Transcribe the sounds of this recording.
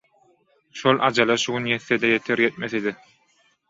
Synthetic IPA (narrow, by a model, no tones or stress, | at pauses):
ʃolˠʔɑd͡ʒɑlˠɑʃuɣunjeθːed̪ejet̪ʰeɾjet̪̚meθid̪i